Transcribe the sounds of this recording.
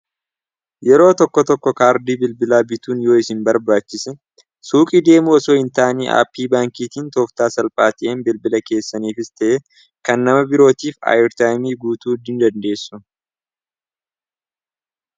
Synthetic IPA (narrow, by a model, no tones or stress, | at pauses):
jɛɾo̞ːt̪ɔkːɔt̪ɔkːɔkaːɾd̪iːbɪlbɪlaːbɪt̪uːnjo̞ːɪsɪnbɐɾbaːt͡ʃːɪsɛ | suːkʼid̪e̞ːmuɔsoːɪnt̪aːnḭːʔa̰ːpːiːbaːŋkiːt̪iːnt̪oːft̪aːsɐlpʼaːt̪ɪʔeːnbɪlbɪlɐke̞ːsːɐniːfɪst̪ɐʔe | kɐnːɐmɐbɪɾo̞ːt̪iːfa̰ːjɛɾt̪aːjmiːɡuːt̪uːd̪ɪnd̪ɐnd̪e̞ːsːʊ